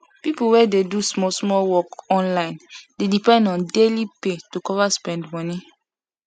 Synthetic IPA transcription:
pipuwɛdedusmɔsmɔlwɔkɔ̃nlãɪ̃ndedipɛ̃ndɔ̃ndelipetukɔvaspɛ̃ndmɔni

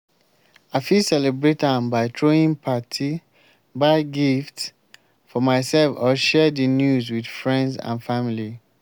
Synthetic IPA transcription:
aɪfisɛlɛbɹetãmbaɪtʰɹoĩnpʰatʰi | baɪɡift | fɔmaɪsɛlfɔʃɛdinjuzwidfɹɛ̃ndzã̰nfamili

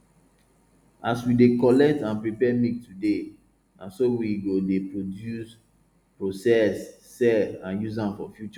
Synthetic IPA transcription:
aswidekɔlɛk̚tãnpɹipɛmiktude | nasowiɡodepɹodjus | pɹosɛsː | ɛfãnjuzãmfɔ̰fjut͡ʃɔ

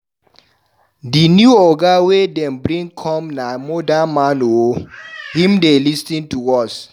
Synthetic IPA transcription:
dinjuɔɡawedɛ̃mbɹĩŋkʰɔ̃mnamodamanohĩmdelistĩntuɔs

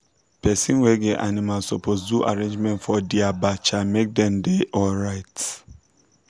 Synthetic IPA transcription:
pʰɛsĩnweɡɛʔanĩmalsɔpʰos̬duʔa̰ɾẽɲd͡ʒmɛ̃ntfɔdiabat͡ʃamek̚dɛ̃mdeʔɔlɹaɪt

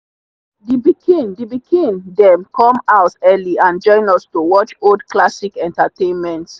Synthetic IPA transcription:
dibikʰĩndibikʰĩndɛ̃mkɔ̃maʊtɛliãnd͡ʒɔ̃ɪ̃nɔstowɔt͡ʃodklasikɛ̃ntatẽnmɛ̃nts

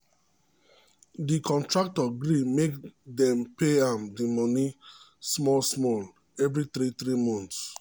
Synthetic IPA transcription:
dikʰɔ̃ntɹak̚tɔɡɹimekdɛ̃mpeamdimɔni | smɔlsmɔl | ɛvɹiθɾitɹimɔ̃nts

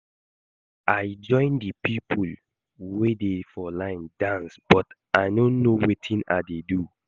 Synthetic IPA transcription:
ʔaɪd͡ʒɔ̃ɪ̃ndəpʰipʰul | wedefɔlãɪ̃ndãnsb̥ɔt | ajnõnːowetʰĩnadedu

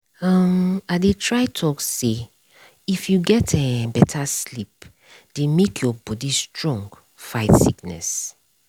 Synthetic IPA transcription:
ʌmaɪdetʰɹaɪtʰɔkse | ifjuɡɛtʰɛbɛtʰaslip̚ | d̥emekʰjɔbɔdistɹɔ̃ŋɡ | faɪtsḭknɛ̰s

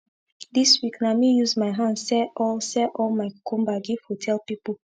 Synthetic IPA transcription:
diswiknamijuzmaɪɦãndsɛʔɔlsɛʔɔlmaɪkũmbaɡifɔtʰɛlpipɔl

